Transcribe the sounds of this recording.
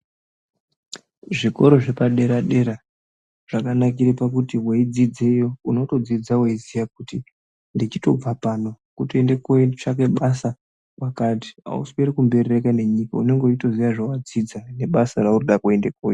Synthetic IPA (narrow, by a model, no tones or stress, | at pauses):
ʐiko̞ɾo̞ʐe̞paɗe̞ɾaɗe̞ɾa | ʐ̥akanakiɾepakutiweid͡zid͡ze̞jo̞uno̞to̞d͡zid͡zaweid͡zijak̚uti | ndit͡ʃito̞b͡vapano̞ | kutoendekoʂak̬eɓasa | wakati̥a̰ṵspeɾikumbe̞rerekane̞ɲikaune̞ŋɡeut͡ʃito̞zijaʐawad͡zid͡zane̞ɓasaɾauroɗakue̞ndekoːjo